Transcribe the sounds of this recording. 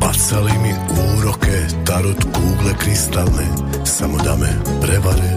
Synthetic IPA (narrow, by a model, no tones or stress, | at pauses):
a̰t͡sɛliːmi | uːɾɔkɛ | t̪aɾut̪kuːɡlɛkɾist̪alnɛ | samɔd̪a̰mɛ̰ | pɾɛʋaɾɛ